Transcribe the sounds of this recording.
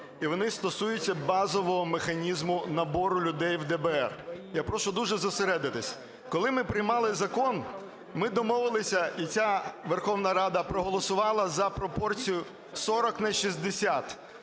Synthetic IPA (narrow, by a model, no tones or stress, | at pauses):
iʋɔnɪst̪ɔsujʊt͡sʲːɐbɑzɔʋɔɦɔmexɐnʲizmʊnɐbɔɾʊlʲʊd̪ɛjwd̪ɛbɛɛrjapɾɔʃʊd̪uʒɛzɔseɾɛd̪ɪt̪ɪsʲ | kɔlˠɪmɪpɾɪjmɑlˠɪzɐkɔn | mɪd̪ɔmɔʋɪlˠɪsʲɐit͡sʲaʋerxɔwnɐɾɑd̪ɐpɾɔɦɔlˠɔsʊʋɑlˠɐzɐpɾɔpɔrt͡sʲijʊ | sɔɾɔknɐʃʲizd̪esʲat̪